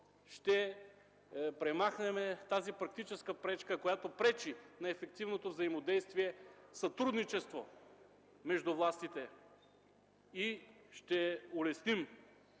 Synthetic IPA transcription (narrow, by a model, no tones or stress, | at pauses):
ʃt̪ɛ | pɾɛmaxnɛmɛt̪azipɾɐk̚t̪it͡ʃɛskəpɾɛt͡ʃkəkojat̪opɾɛt͡ʃinɐɛfɛk̚t̪ivnot̪ovzɐimod̪ɛjst̪viɛsɐt̪ɾud̪nit͡ʃɛst̪vo | mɛʒd̪uvlˠast̪it̪ɛ | iʃt̪ɛolɛsnim